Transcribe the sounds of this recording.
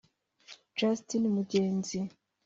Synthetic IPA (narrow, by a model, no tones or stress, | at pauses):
d͡ʒastinimuɟeːnzi